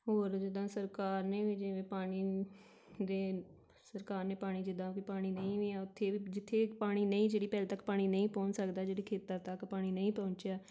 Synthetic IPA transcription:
ɦoːɾd͡ʒɪd̪ãːsəɾkaːɾneːʋid͡ʒeẽːpaːɽ̃iː | d̪eː | səɾkaːɾneːpaːɽ̃iːd͡ʒɪd̪ãːkiːpaːɽ̃iːnə̃ĩːʋiːaːʊt̪ʰːeːiːd͡ʒɪt̪ʰːeːpaːɽ̃iːnəĩːd͡ʒeːɽiːpɛːlːt̪əkpaːɽ̃iːnəĩːpɔ̃ːɲt͡ʃsəkd̪aːd͡ʒeːɽiːkʰeːt̪əɾt̪əkpaːɽ̃iːnəĩːpɔ̃ːɲt͡ʃjaː

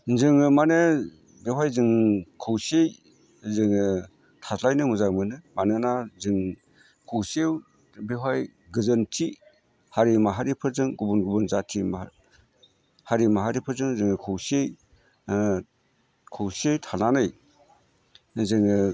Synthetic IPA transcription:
zɯŋɯmane | bewajzɯŋkʰɯwsej | zɯŋɯ | tʰaslajnɯmuzamɯnɯmanɯnazɯŋ | kʰɯwsew | bewaj | ɡɯzɯntʰi | haɾimaɦaɾipʰɯɾzɯŋɡubunɡubunzatʰima | haɾimaɦaɾipʰɯɾzɯŋzɯŋɯkʰɯwsej | kʰɯwsejtʰananɯj | zɯŋɯ

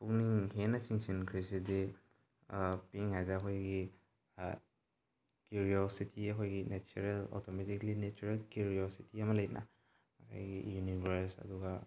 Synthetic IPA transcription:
puŋniŋhenasiŋsinkʰɾisidi | piŋhajzakʰojɡi | kuɾiɔsitʰiɐkʰojɡinet͡ʃuɾelɔ̰tʰɔmetiklinet͡ʃuɾelkuɾiositiamalajnʔa̰ | masa̰jɡḭjunibaɾsɐ̰duɡa

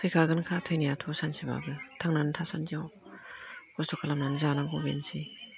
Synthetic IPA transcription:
sʰɯjkʰaɡɯnkʰatʰajnijatʰusansiba̰ɡɯtʰaŋnantʰasandijaw | ɡ̥ɔstɔkʰalamnanzanaŋɡɔbḛnsi

